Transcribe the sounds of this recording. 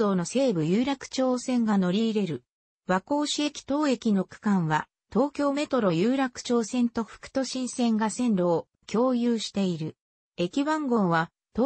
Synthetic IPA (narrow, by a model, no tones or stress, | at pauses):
o̞ːno̞se̞ːbɯ̟jɯ̟ːɾakɯ̟̥t͡ɕo̞ːsẽ̞ŋɡano̞ɾʲiːɾe̞ɾɯ̟ | βako̞ːɕie̞kʲi̥t̪o̞ːe̞kʲino̞kɯ̥kãɰ̃βa | t̪o̞ːkʲo̞ːme̞t̪o̞ɾo̞jɯːɾakɯ̟̥t͡ɕo̞ːsẽ̞nt̪o̞ɸɯ̟̥kɯ̥t̪o̞ɕĩɰ̃sẽ̞ŋɡasẽ̞nɾo̞ː | kʲo̞ːjɯːɕi̥t̪e̞iɾɯ̟ | e̞kʲiβãŋɡõ̞ɰ̃βa | t̪ː